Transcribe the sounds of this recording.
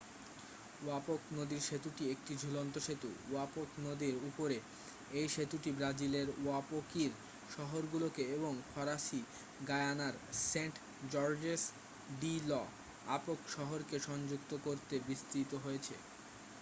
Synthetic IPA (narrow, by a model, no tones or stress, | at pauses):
wapoknod̪iɾʃet̪uʈiek̚ʈid͡ʑʱulont̪oʃet̪ṵwapoknod̪iɾupoɾe | ejʃet̪uʈibɾad͡ʑileɾuapokiɾ | ʃɔɦoɾɡulokeeboŋfʰɔɾaʃi | ɡaeanaɾseɳʈ | d͡ʑɔɾd͡ʑes | ɖilɔ | apokʃɔɦoɾkeʃɔnd͡ʑuk̚t̪okoɾt̪ebist̪ɾit̪oɦojet͡ɕʰḛ